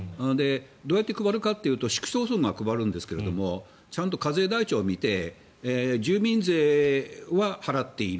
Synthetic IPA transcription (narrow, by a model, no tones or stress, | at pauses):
anod̪e̞ | d̪o̞ːjat̪ːekɯ̟baɾɯ̟kat̪ːe̞jɯ̟ːt̪o̞ɕi̥kɯ̟̥so̞ːsɨ̃ŋɡakɯ̟baɾɯ̟̃nd̪e̞sɨ̥ke̞ɾe̞̰d̪o̞mo̞ | t͡ɕãnt̪o̞kaze̞ːd̪ait͡ɕo̞ːmʲit̪e̞ | d͡ʑɨːmʲĩnzeːβahaɾat̪ːe̞iɾ